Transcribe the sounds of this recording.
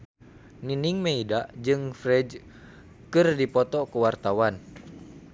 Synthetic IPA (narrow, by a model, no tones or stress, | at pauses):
niniŋmeidaʔd͡ʒɨŋfɾɛd͡ʒ | kɨrdipɔt̪ɔkəwart̪awan